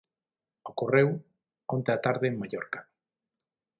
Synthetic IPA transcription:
okorew | ont̪eat̪aɾðeŋmaʎɔɾkḁ

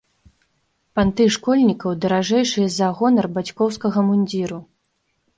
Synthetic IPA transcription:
pant̪ɨʂkɔlʲnʲikɐwd̪ɐɾaʐɛjʂɨjɐzɐɣɔnɐrbat͡sʲkɔwskɐɣɐmunʲd͡zʲiɾu

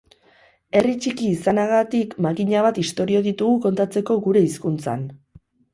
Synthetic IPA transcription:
e̞rit͡ʃikiːsanaɣ̞at̪ikmakiɲaβ̞at̪ist̪o̞ɾio̞ðit̪uɣuko̞nt̪at͡se̞ko̞ɣuɾe̞iskunt͡sa̰n

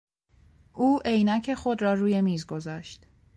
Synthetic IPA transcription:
ʔuːʔe̞jnæcʰe̞xo̞d̪ɾɒːɾuːje̞miːzɡo̞zɒːʃt̪

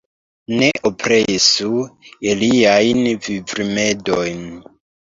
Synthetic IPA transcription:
ne̞ʔopɾesueliajnvivɾime̞do̞jn

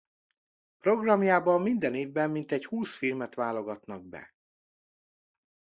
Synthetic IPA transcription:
pro̞ɡrɒmjaːbɒmːind̪ɛneːvbɛmːint̪ɛchuːsfilmɛt̪ʋaːlo̞ɡɒt̪nɒɡ̚bɛ̰

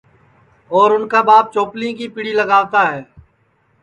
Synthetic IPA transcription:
ɔːɾʊnkaːbaːp̚t͡ʃoːplĩːkiːpiɽiːləɡaːʋt̪aːɦɛː

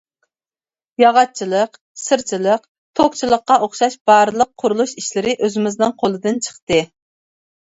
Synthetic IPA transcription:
jɑʁɑt͡ʃʰilˠəq | sɨɾt͡ʃʰilˠəq | t̪ʰokt͡ʃʰilˠəqːɑʔoχʃɑʃb̥ɑɾɨlˠəqʰːʊɾulˠuʃiʃlɪɾɪʔøzɪmɪznɨnqʰolˠɨd̪ɨnt͡ʃʰə̥χt̪ɨ

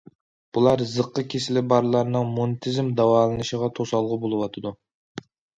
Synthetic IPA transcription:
b̥ulˠɑɾzəqːəkʲʰesɪlɪbɑɾlˠɑɾnɨŋmonɨt̪ʰɨzmd̪ɑwɑːlˠɨnɨʃəʁɑt̪ʰosɑlˠʁəbolˠɨwɑt̪ʰɨd̪u

